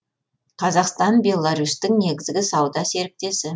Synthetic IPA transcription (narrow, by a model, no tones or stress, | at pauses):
qʰɑzɑqst̪ɑnbʲe̞lˠːɑɾust̪ɪŋne̞ɡʲɪzɡʲɪsɑwd̪ɑse̞ɾɪp̚t̪e̞sɪ